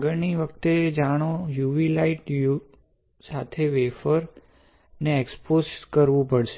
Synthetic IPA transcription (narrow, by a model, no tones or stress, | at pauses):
ɡəɾniʋəkt̪ed͡ʒaɽ̃ojuʋilaiʈju | sat̪ʰeʋefəɾ | neeksposkəɾʋũpəɽʃe